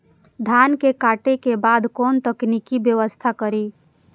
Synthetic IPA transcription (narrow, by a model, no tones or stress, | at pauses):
d̪ʱankekaʈekebad̪kont̪əknikibjəʋəst̪ʰakəɾi